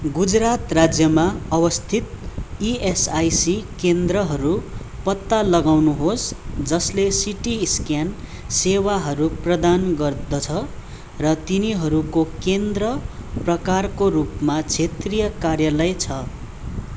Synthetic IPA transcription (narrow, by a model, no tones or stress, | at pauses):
ɡud͡zrat̪rad͡zjʌmaʌwʌst̪ʰit̪̚iesajsikend̪rʌɦʌɾu | pʌt̪ːalʌɡawnuɦosd͡zʌslesiʈiskjan | sewaɦʌɾuprʌd̪anɡʌrd̪ʌt͡sʰʌ | rʌt̪iniɦʌɾukokend̪rʌprʌkarkoɾupmat͡sʰet̪rijʌkarjalʌjt͡sʰʌ